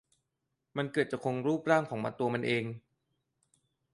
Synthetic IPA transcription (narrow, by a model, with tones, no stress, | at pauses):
ma˧nkɤː˨˩t̪̚t͡ɕa˨˩kʰo˧ŋɾuː˥˩p̚ɾaː˥˩ŋkʰɔː˩˦ŋma̰˧nt̪u˧ɐma˧nʔeː˧ŋ